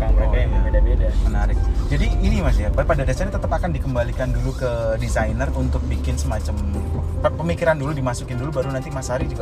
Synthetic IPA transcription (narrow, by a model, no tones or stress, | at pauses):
aŋbɾakaaŋəbedabedamənaɾɪk̚d͡ʒadiːnimasiapapadadasanat̪ət̪əpakandikəmbalikandulukədizajnərunt̪ʊk̚bikɪnsəmat͡ʃaməpəmikiɾanduludimasukɪndulubaɾunant̪imasaɦaɾid͡ʒuɡa